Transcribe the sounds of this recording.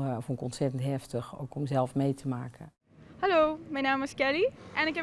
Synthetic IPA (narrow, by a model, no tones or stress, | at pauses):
fɔnɪkɔntsɛtəntɦɛftəxo̰wkʰɔmzɛlˠfmejtʰəmaːkʰə | haloːmɛjnaːmɪskɛliʔɛ̃nɪkɛ